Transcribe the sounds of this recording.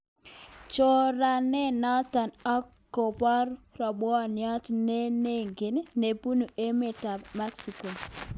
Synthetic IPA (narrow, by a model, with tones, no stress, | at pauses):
t͡ʃo˦ɾa˨nɛ˦nɔ˦ta˨nɔ˦kː | o˨pɔ˦ɾrɔ˨bwɔ˦njɔ˦tne˦ne˦ŋɡɪ˨nne˨pu˦nu˨e˦me˨ta˨bma˦ksi˨ko˨